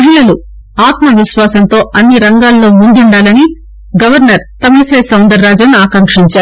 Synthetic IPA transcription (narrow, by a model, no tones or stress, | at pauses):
ɐɦiɭɐlu | aːt̪mɐʋiʃʋaːsɐnt̪o̞ːʔɐnːiɾɐŋɡaːlːo̞ːmund̪uɳɖaːlɐni | ɡɐʋɐɾnɐɾt̪ɐmiseːsɐwnd̪ɐɾːaːd͡ʒɐnːaːkɐŋkʂiɲt͡ʃaːɾu